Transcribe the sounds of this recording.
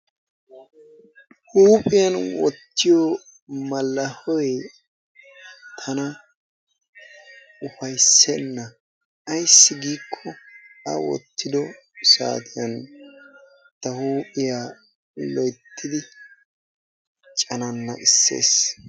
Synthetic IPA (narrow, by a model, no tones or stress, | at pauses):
huːpʼɪjɐnwɔt̪ːɪjɔ | mɐlːɐhɔj | t̪ʰɐnɐ | ʊfɐjsːɛnːɐː | jsːɪɡiːkʰːɔɐwɔ̰t̪ːɪd̪ɔ | sa̰ːt̪ʰɪjɐn | t̪ːɐhuːpʼɪjaː | lɔjt̪ʰːɪd̪ɪ | t͡ʃʼɐnɐnːɐ̰ʔɪsːḛːs